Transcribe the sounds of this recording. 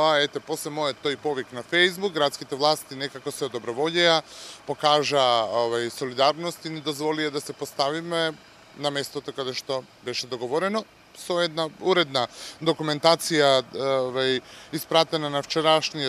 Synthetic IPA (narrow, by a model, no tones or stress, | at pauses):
aɛt̪ɛpɔslɛmɔjɔt̪ːojpɔviknafejzbukɡɾat̪skit̪ɛvlˠast̪inɛkakɔsɛɔd̪ɔbɾɔvɔɟɛapokaʒaovajsɔlid̪aɾnɔst̪inɛd̪ozvɔliad̪asɛpɔst̪avimɛ | namɛst̪ot̪okad̪ɛʃt̪ɔbɛʃɛd̪ɔɡɔvɔɾɛnɔ | sɔɛd̪nauɾɛd̪nad̪okumɛnt̪at̪sijavajispɾat̪ɛnanaft͡ʃɛɾaʃni